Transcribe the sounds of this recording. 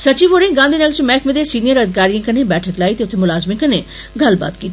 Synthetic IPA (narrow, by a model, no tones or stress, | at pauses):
sət͡ʃiːʋoːɾẽːɡãːnd̪iːnəːlt͡ʃmɛːkʰmẽːd̪eːsiːnijəɾəd̪ɪkaːɾijãːkəneːbɛːʈʰəklaːiːt̪eːʊt̪ʰːeːmʊlaːzmĩkəneː | ɡəlba̰ːt̪kiːt̪ː